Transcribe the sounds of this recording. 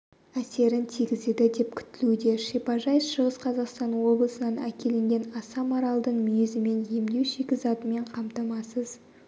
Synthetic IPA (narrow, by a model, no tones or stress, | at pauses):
æse̞ɾɪnt̪ʰiɡʲɪzed̪ɪd̪e̞pkʲʰʏ̥t̪ːɪlud̪e̞ʃepɑʒɑjsʃəʁəsqʰɑzɑqst̪ɑnwo̞blˠəsənɑnæ̰kʲʰe̞lɪŋɡʲe̞nɑsɑmɑɾɑlˠd̪əɴmʏjezɪme̞nje̞md̪e̞wʃekʲɪzɑt̪əme̞ɴqʰɑmt̪ɑmɑsəz